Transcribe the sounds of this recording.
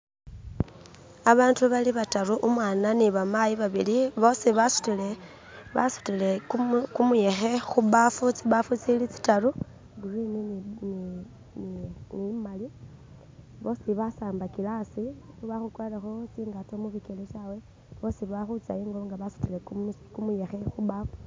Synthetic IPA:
aβaːntuβaliβataɾuʔumwaːnaniβamajiβaβḭliβo̞siβasu̥tile | βasu̥tilekumuje̞xe̞xuβafut͡siβafut͡silit͡si̥talu | ɡurinin | ninimali | βo̞siβasaːmbakilasi | uβaxukwalexo̞t͡siːŋɡato̞muβikeleʃawe | βo̞siβaxut͡sa̰jiːŋɡoŋɡaβasu̥tilekkumuje̞xe̞xuβafu̥

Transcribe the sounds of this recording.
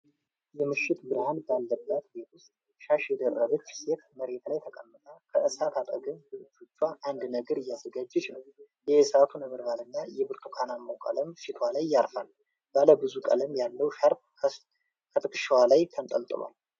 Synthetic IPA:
jɛmɨʃːɪt̪bɨɾhanbalːəbːat̪bet̪ʰwʊst̪ʼ | ʃaʃjɛd̪ərːəβət͡ʃːse̞t̪məɾe̞t̪lajt̪ʰəkʼəmːɨt̪ʼakʰəʔɨsat̪ʰat̪ʼə̰ɡɨmbɨɨd͡ʒot͡ʃːwaʔand̪nəɡəɾɪjazəɡad͡ʒːɛt͡ʃɪnəw | jɛsat̪ʰunəβɨɾbalɨnːajɛbɨɾt̪ʰukʰanamːəwkʼə̰ləmʃɪt̪ʰwalajːaɾfal | b̥aləbɨzukʼə̰ləmjalːəwʃaɾb | kʰət̪ʼɨkʼɨʃiwalajt̪ʰənt̪ʼəlt̪ʼɨ̰lwa̰l

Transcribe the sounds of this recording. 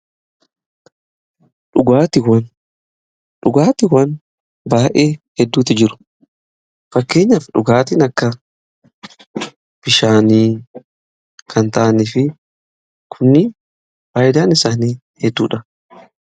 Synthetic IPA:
ᶑʊɡaːt̪ɪwɐn | ᶑʊɡaːt̪ɪwɐn | baːʔeːhɛd̪ːuːt̪ɪd͡ʒɪɾʊ̥ | fɐkːe̞ːɲːɐfᶑʊɡaːt̪iːnɐkːɐ | b̥ɪʃaːniː | kʰɐnt̪aːnifɪ | kʰʊnːɪ | faːjɪd̪aːnɪsaːniː | hɛd̪ːuːᶑɐ

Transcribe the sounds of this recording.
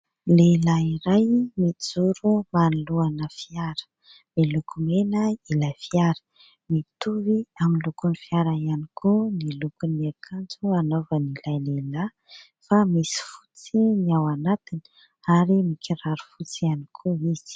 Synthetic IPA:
lelaiɾajmid͡zuɾumanluanəfiaɾə̥ | milukʰumenəilafiaɾə̥ | mit̪uviaminlukunifiaɾaianikʰunilukuniakʰant͡suanovənilajlela | famisi̥fu̥t͡siniawanat̪ini̥ | aɾimikʰiɾaɾu̥fut͡sianikʰuiz̥i̥

